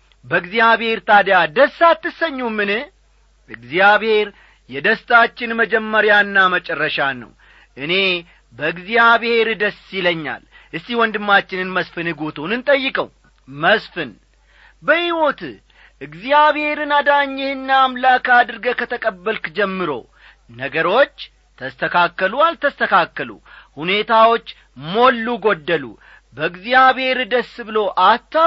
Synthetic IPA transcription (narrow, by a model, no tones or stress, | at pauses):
bəɨɡzijaβhe̞ɾt̪ʰad̪jad̪əsːat̪ːɨsəɲːumɨnɨh | ɨɡzijaβhe̞ɾ | jɛd̪əst̪ʰʼat͡ʃːɪnməd͡ʒɛmːəɾjanːamət͡ʃʼɛrːəʃanːə̰w | ʔɨne̞ | bəɨɡzijaβhe̞ɾd̪əsɪləɲːa̰l | ʔɨst̪iwɔnd̪ɨmːat͡ʃːɪnɨnməsfɨnɨɡot̪ʰonɨnt̪ʼəjːɪkʼəw | məsfɨn | bəhiwo̞t̪ɨ | ʔɨɡzijaβhe̞ɾɨnad̪aɲːɪhɨnːaːmlakad̪ɨɾɡəkʰət̪ʰəkʼəbːəlkd͡ʒɛmːɨɾo̞̰w | nəɡəɾo̞t͡ʃː | t̪ʰəst̪ʰəkʰakːəlualt̪ʰəst̪ʰəkʰakːəlṵhune̞t̪ʰawo̞t͡ʃː | mo̞lːuɡo̞d̪ːəlṵ | bəɨɡzijaβhe̞ɾɨd̪əsːbɨlo̞ʔat̪ːa